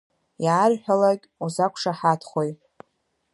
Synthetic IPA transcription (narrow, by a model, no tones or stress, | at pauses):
jaːrħʷᶣalakʲʼuzakʷʰʂaħatʰχʷojʼ